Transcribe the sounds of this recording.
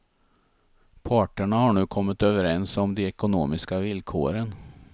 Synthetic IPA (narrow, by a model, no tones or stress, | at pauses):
pʰɑːʈəɳahaɳʉ̟ːkʰɔmːət̪øːvəɾɛnsɔmd̪ɛɛkʊnoːmɪskavɪlkʰo̰ːɾən